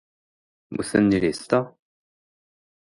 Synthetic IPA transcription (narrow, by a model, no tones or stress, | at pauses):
mṵθænːilist̪æ